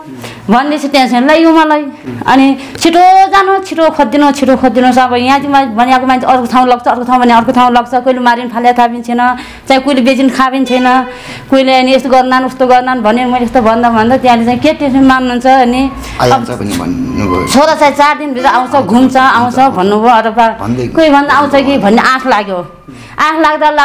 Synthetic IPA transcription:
bʱʌnd̪et͡sʰʌʈẽnsʌnlajjomalajʌ̰ni | t͡sʰiʈod͡zanot͡sʰiʈopʰʌt̪̚d̪inot͡sʰiʈopʰʌt̪̚d̪inosʌbʌjãtimabʱʌnijakomant͡sʰiʌɾkot̪ʰaw̃lʌɡ̚t͡sʰʌːɾkot̪ʰãw̃bʱʌnjaʌɾkot̪ʰaũlʌɡt͡sʰʌkoilemaɾinpʰaljat̪ʰabint͡sʰʌjnʌ | t͡saĩkuilebed͡zinkʰabint͡sʰʌjnʌ | koĩleʌniest̪oɡʌrnanust̪oɡʌrnanbʱʌnenmʌjleest̪obʌnd̪abʱʌnd̪at̪jãlet͡saĩket̪esemannunt͡sʰʌʌni | ʌbʌn̰ | t͡sʰoɾat͡sãĩt͡sard̪inbʱit̪aaw̃t͡sʰʌɡʱumt͡sʰʌaw̃t͡sʰʌbʱʌnːuboʌt̪ʌba̰nkoibʱʌnd̪aːw̃t͡sʰʌkibʱʌnːeʔãkʰlaɡjo | ãkʰlaɡd̪ala

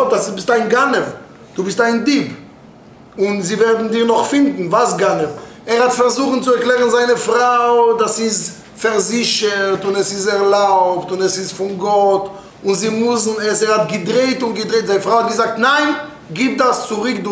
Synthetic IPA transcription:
dasɪsbɪstaɪnɡanɛv | d̥uːbɪstaɪndib | ʊnzivɛʁdn̩dɪʁnɔχfɪndn̩vasɡanɛvɛʁhatfɛʁzuːχn̩t͡sʊɛʁklˠɛːʁn̩zaɪnəfʁaʊdasɪs | fɛʁzɪʃəʁtʊnɛsɪsɛʁlˠaʊptʊnɛsɪsfʊnɡɔt | ʊnzɪmʊsn̩ɛsɛʁhatɡɪdʁeɪtʊnɡɪdʁeɪtzaɪnəfʁaʊhat̚ɡɪzak̚tnaɪn | ɡiːp̚dast͡sʊʁɪkdʊ

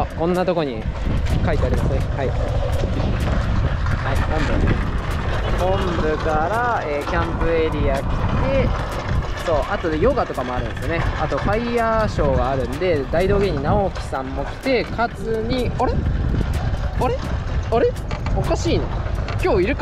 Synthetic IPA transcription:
kõ̞nːat̪o̞koɲ̟ikait̪e̞aɾʲimasɨne̞hai | hainãmb̪e | hõ̞mbɯ̟kaɾaeːkʲãmpɯe̞ɾʲiakʲi̥t̪e̞ | so̞ːʔat̪o̞jo̞ɡat̪o̞kamo̞aɾɯ̟̃nsɨjone̞at̪o̞kaiaɕo̞ːɡaːɾɯ̟̃nd̪e̞d̪aid̪o̞ːɡe̞ɲ̟ːinaokʲi̥sãmːo̞kʲi̥t̪e̞kʰazɨɲ̟ioɾe̞ | oɾe̞oɾe̞ | okaɕiːnokʲo̞ːiɾɯ̟k

